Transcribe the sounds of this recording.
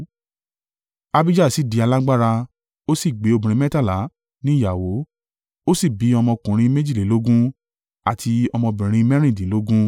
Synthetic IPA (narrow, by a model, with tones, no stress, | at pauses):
a˧bi˦d͡ʒa˦˨si˨˦˨di˨˧a˧la˦ɡ͡ba˦ɾa˧ | o˦si˦˨ɡ͡be˨˦o˧bũ˨ɾ̃ĩ˧˦mɛ˦ta˦˨la˨˦ | nĩ˦˨ja˨wo˨˦ | o˦si˦˨bi˨˦ɔ˧mɔ̃˧kũ˨ɾ̃ĩ˧me˦d͡ʒi˦˨le˨˦lo˦ɡũ˦ | a˦˨tʰi˧ɔ˧mɔ̃˧bĩ˨ɾ̃ĩ˧mɛ˦ɾ̃ĩ˦˨dĩ˨˦lo˦ɡũ˦